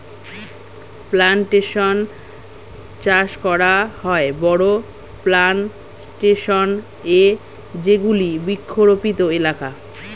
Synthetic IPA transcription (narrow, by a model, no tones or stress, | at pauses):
planʈeʃon | t͡ɕaʃkɔɾaɦɔebɔɽo | plan | ʈeʃon | e | d͡ʑeɡulibikʰːoɾopit̪oelaka